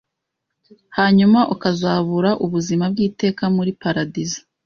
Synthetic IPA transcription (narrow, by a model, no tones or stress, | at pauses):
haːɲumaʔukazaːβuɾaʔuβuzimab̚ɡiːte̞ːkamuɾipaɾadizḁ